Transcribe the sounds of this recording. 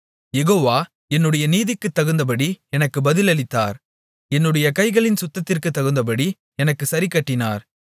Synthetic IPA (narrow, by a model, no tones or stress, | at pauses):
jɛɣoːʋaː | ɛnːɯɽɐjɐniːðɪkːɯt̪ːɐɣɯnd̪ɐp̬ɐɽiɛnɐkːɯbɐðɪlɐɭɪt̪ːaːɾ | ɛnːɯɽɐjɐkɐɪɣɐɭɪnsʊt̪ːɐt̪ːɪrkɯt̪ːɐɣɯnd̪ɐp̬ɐɽi | ɛnɐkːɯsɐɾɪkːɐʈːɪna̰ːɾ